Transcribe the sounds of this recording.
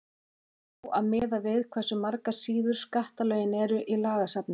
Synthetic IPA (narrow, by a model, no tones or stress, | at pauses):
ɔʔaðmɪːðavɪðkʰvɛsʏmaɾkasiːðʏɾ̥skaht̪alœːɥjɪnɛɾʏʔilaːɣasapnɪ